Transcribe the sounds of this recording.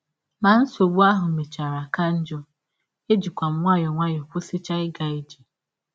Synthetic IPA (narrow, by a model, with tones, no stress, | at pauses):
ma˨n̩˦so˨ɡ͡bu˦a˦ɦʊ˨me˨t͡ʃa˨ɾa˨ka˦n̩˦d͡ʒɔ˦ | e˦d͡ʒi˨kʷa˨m̩˨ŋʷa˦jɔ˨ŋʷa˦jɔ˨kʷʊ˦sɪ˦t͡ʃa˦ɪ˦ɡa˨ɪ˦d͡ʒi˨